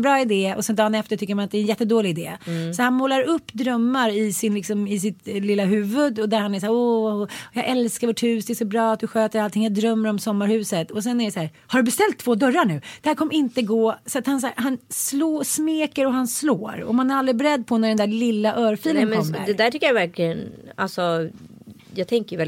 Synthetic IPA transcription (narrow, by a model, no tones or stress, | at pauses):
bɾɑːɪd̪eːɔ̰sɛnd̪ɑːnɛft̪əʈʰʏkːəɾmanat̪̚ɛɾɛnjɛt̪ːəd̪oːlɪɪd̪ḛːsɔhanmoːlaɾɵpːd̪ɾœmːaɾɪsɪnlɪksɔmɪs̬ɪt̪lɪlːaɦʉ̟ːvɵd̪ɔd̪æɾhanæs̬æːɾɔjɑːɡʔɛlskaɾvoːʈhʉ̟ːsd̪ɛsɔbɾɑːat̪̚d̪ɵɧøːt̪əɾalt̪ʰɪŋːjaːd̪ɾœmːəɾɔmsɔmːaɾhʉ̟ːsət̪ɔsɛnæɾɛsæːɾ | haɖɵbɛst̪ɛlt̪ʰːvoːd̪œɾːaɳʉ̟ːd̪̥ɛhæːɾkʰɔmːəɾɪnt̪əɡoːsat̪hans̬ahanslosmeːkəɾɔɦanslo̰ːɾɔ̰manæɾald̪ɾɪbɛɾɛd̪̚ːpʰɔnæɖɛnd̪ælɪlːaʔœːɾfiːlənɔmːɾd̪ɛd̪æʈʰʏkːəjavæɾklɪəna̰lsɔ | jɑːɡt̪ʰɛŋkəɾjvɛl